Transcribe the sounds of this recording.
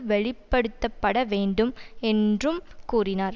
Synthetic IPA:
ʋɛɭɪpːɐɽɯt̪ːɐpːɐɽɐʋeːɳɖɯmɛndrɯmkuːrɪnaːɾ

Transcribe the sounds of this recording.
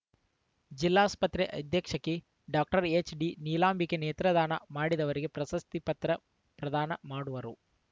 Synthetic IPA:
d͡ʒilːaːspɐt̪ɾeʔɐd̪ʱjɐkʂɐkːe | ɖaːk̚ʈɐɾet͡ʃɖiniːlaːmbikːeneːt̪ɾɐd̪aːnɐ̰maːɽid̪ɐʋɐɾiɡe̞pɾɐsɐst̪ipɐt̪ɾɐ | pɾɐd̪aːnɐmaːɽuʋɐɾu

